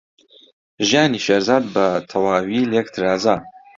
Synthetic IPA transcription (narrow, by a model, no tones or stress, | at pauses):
ʒjaːniːʃeɾzaːd̪̚bɐt̪ʰɐwaːwiːljɛkt̪ʰɨɾaːza